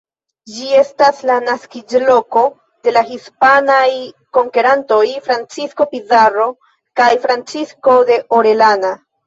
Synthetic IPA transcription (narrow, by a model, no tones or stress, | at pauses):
d͡ʒie̞staslanaskid͡ʒlo̞ko̞ | de̞lahispanaj | ko̞ŋke̞ɾanto̞jfɾant͡sisko̞pizaɾo̞ | kajfɾant͡sisko̞de̞ʔoɾe̞lana